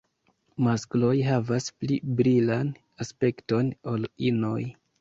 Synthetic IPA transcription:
masklo̞jɦavasplibɾilan | aspe̞kto̞nolino̞j

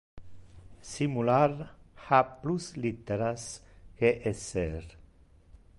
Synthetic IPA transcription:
simulaɾhapluslit̪eɾaskeʔeseɾ

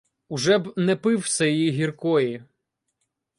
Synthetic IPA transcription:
ʊʒɛbnɛpɪwsʲɛjjiɦʲirkɔji

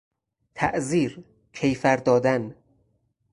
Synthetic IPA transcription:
t̪ʰæʔziːɾ | cʰejfæɾd̪ɒːd̪æn

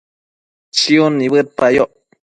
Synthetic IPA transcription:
t͡ʃiunːiβɨt̪̚pajoʔ

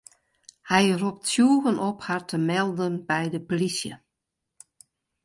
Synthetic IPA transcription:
hɛjrup̚tsjuːɣənʔɔphartəmɛlˠdənbɛjdəpolisjə̰

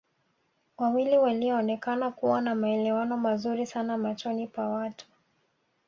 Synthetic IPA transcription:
wawiliwaliɔːnɛkanakuwanamaɛlɛwanɔmazuɾisanamat͡ʃɔnipwawatu̥

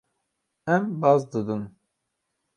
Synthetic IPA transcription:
ɛmbɑzd̪ɨd̪ɨn

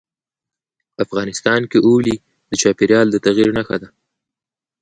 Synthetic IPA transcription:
afɣɑnɪst̪ɑnkeʔuli | d̪̥ət͡ʃɑpeɾjɑld̪ət̪aɣiɾnaxad̪a

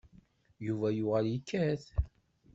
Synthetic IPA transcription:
juvæjuʁəljiəkːæθ

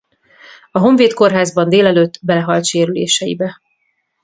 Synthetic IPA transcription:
ɒɦo̞ɱveːt̪ko̞rɦaːzbɒnd̪eːlɛløːt̪ːbɛlɛɦɒlt̪ʃeːɾylḛːʃɛjḭbɛ

